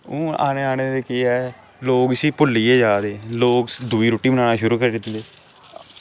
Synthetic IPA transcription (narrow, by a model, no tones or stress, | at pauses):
ũːa̰ːneːaːneːd̪eːkiːɛː | loːksiːpʊlːiːeːd͡ʒaːd̪eːloːkd̪ʊiːɾoːʈiːbənaːnaːʃʊɾuːkəɾiːd̪ɪt̪ːieː